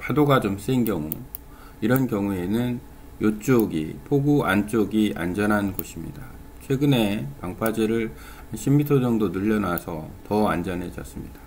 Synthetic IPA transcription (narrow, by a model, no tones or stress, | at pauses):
padoɡad͡ʑoms͈einkjʌŋṵ | iɾʌnkjʌŋue̞nɯn | jot͡ɕ͈oɡḭpʰoɡuant͡ɕ͈oɡiʔa̰nd͡ʑʌnɦanɡoɕʰimɲḭda | t͡ɕʰwe̞ɡɯne̞paŋpʰad͡ʑeɾɯɭ | hanɕʰimːitʰʌd͡ʑʌŋdonɯʎːʌnasʰʌtʌand͡ʑʌnɦe̞d͡ʑʌ̰s͈ɯmɲida